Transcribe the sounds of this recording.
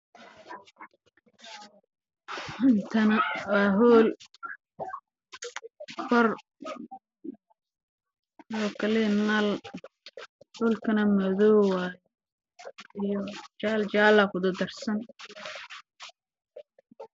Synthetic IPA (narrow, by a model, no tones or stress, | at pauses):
ɪnt̪ʰɐnɐwaːɦɔːl | fɐr | ɔːkʰɐlɛnal | huːlkʰɐnɐmɐðɔːwaːjɛ | ɪjɔt͡ʃaːlt͡ʃaːlakʊd̪ɐd̪ɐrsɐn